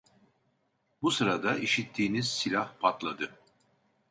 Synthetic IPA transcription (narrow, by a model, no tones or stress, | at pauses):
busɯɾad̪aʔiʃit̪ʰːiːniz̥silʲahpʰat̪lˠad̪ɯ